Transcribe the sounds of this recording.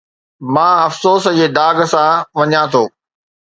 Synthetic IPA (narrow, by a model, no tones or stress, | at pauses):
mãːɐfsoːsd͡ʑeːd̪aːɡsãʋɐɲãt̪ʰoː